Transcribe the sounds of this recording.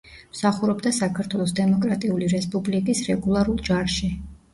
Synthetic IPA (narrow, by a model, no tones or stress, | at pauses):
msaχuɾɔbd̪asakʰaɾt̪ʰwɛlˠɔsd̪ɛmɔkʼɾat̪ʼiuliɾɛspʼublikʼisɾɛɡulˠaɾulˠd͡ʒaɾʃi